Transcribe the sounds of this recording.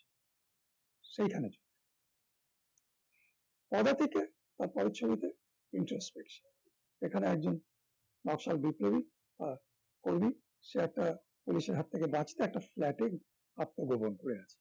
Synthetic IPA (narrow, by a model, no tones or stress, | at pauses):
ʃejk̪ʰaned͡ʑonːe | pɔd̪at̪ʰeke | t̪aɾpɔɾet͡ɕʰobit̪e | iɳʈɾospekʃan | ekʰaneɛk̚d͡ʑon | nɔkʃalbipɾobi | ba | koɾmi | ʃeɛk̚ʈa | puliʃeɾɦat̪ʰːekebãt͡ɕi̥t̪eɛk̚ʈaflɛʈek | ap̚t̪oɡobonkoɾeat͡ɕʰe̥